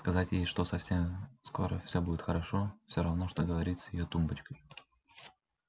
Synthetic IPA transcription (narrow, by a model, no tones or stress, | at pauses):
skɐzatʲjejʂt̪o̞sɐfsʲemsko̞̰ɾə̰fsʲobudʲɪt̪xəɾɐʂofsʲoɾɐvnoʂt̪oɡəvɐɾʲit̪sjɪ̰jot̪umbət͡ɕkəj